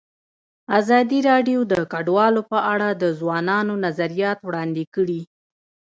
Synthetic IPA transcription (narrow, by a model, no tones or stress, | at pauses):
azɑd̪iɾɑɖjod̪əkaɖwɑlopəʔaɽad̪əzwɑnɑnonazaɾijɑt̪wɽɑnd̪ekəɽi